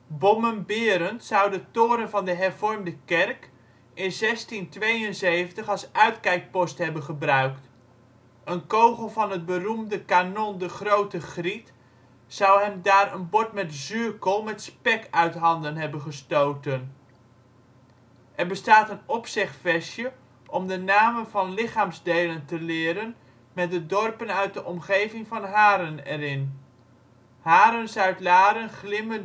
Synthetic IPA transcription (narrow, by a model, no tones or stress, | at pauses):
bɔmənbɪːɾəntsʌwdətʊːɾənvɑndəɦɛɹvɔɹmdəkɛrk | ɪnzɛstintʋejənzejvəntəχɑlˠsœɥtkɛjk̚pɔsthɛbənχəbrœɥkt | ənkowχəlˠvɑnɦət̚bərumdəkanɔndəχrowtəχrit | sʌwɦɛmdaːɾənbɔtmɛtzyɹkəlˠmɛtspɛkœɥtɦɑndənɦɛbənχəstowtən | ʔɛrbəstaːtənɔpsɪχtfɛsjə | ʔɔmdənaːmənvɑnlɪχaːmzdejləntəlɪːɾən | mɛt̚dədɔrpənœɥt̚dəʔɔmχejvɪŋvɑnɦaːɾənɛ̰rɪn | haːɾənsœɥtlaːɾənχlɪmən